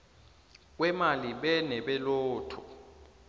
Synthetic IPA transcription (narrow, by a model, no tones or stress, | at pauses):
k̬wɛmaliɓɛnɛɓɛloːtʰɔ